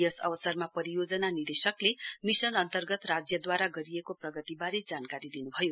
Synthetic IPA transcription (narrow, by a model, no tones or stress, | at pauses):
jʌsʌ̰bʌsʌrmapʌɾijod͡zʌnanird̪esʌklemisʌnʌnt̪ʌrɡʌt̪rad͡zjʌd̪waɾaɡʌɾijekoprʌɡʌt̪ibaɾed͡zankaɾid̪inubʱʌjo